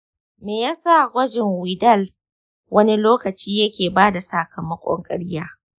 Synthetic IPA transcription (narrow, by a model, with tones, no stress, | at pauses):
meː˨jaː˦sa˦˨ɡʷɐ˦d͡ʒɪ˨ŋwiː˨dɐ˦˨l | wʔɐ˦ni˦loː˦kɐ˨t͡ʃiː˦jɐ˦kʲeː˨baː˦da˨saː˨kʰɐ˨mɐ˦kʷʼɔ̰˦ŋkʼɐ˦ɽjaː˦